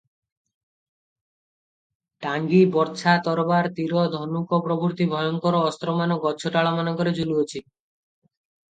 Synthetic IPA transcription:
ʈaŋɡibɔɾt͡ʃʰat̪ɔɾɔbaɾt̪iɾɔd̪ʱɔnukɔpɾɔbuɾt̪ibʱɔjɔŋkɔɾɔɔst̪ɾɔmanɔɡɔt͡ʃʰoʈaɭamanɔkɔɾed͡ʑuluot͡ɕʰi

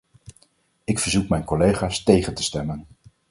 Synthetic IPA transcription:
ɪkfəɹzukmɛjnkolejχaːstejχəntə̥stɛmən

